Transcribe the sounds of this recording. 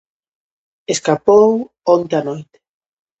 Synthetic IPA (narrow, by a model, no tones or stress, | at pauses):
eskapow | ont̪eanojt̪e̥